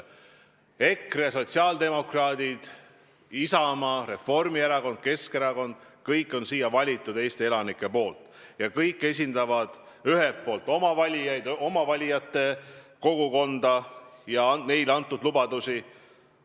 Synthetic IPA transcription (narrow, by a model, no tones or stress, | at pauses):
e̞kreso̞t̪ʲsiɑːld̪e̞mo̞krɑːd̪id̪̥ | isɑmɑre̞fo̞rmieɾɑko̞nd̪̥̚ke̞skeɾɑko̞nd̪̥ | kɤjkːˑo̞nsiːjɑvɑlʲit̪ːˑud̪̥e̞ːst̪ee̞lɑnikːˑe̞po̞ːlt̪ | jɑkɤjkːˑe̞s̬ʲind̪ɑvɑd̪̥ | yɦelppːˑo̞ːlt̪ːˑo̞mɑvɑlʲijɑjd̪o̞mɑvɑlʲijɑt̪ːˑe̞ko̞ɡuko̞nd̪̥ɑjɑne̞jlɑnt̪ːˑud̪lubɑd̪usi